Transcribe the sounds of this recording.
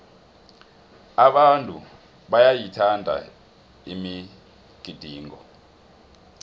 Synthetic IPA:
aɓantʼu | ɓajajitʰandʱa̰ | imi | ɡ̥ʱid̥ʱiːŋɔ̰

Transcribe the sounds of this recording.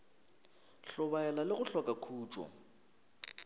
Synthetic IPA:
ɬɔβaɛlalɪɣʊɬɔkʼakʰuːt͡ʃʼɔ̰

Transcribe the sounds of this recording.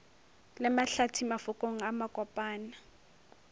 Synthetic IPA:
lɪmaɬatʰimafʊkʼoŋ̩amakʼɔpʼaːna

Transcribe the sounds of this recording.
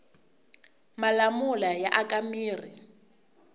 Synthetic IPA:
malamulajaʔakʼamiːri

